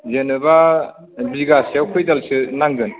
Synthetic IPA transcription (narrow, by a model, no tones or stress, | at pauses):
zenɯba | biɡasjawkʰɯjdalsɯnaŋɡɯn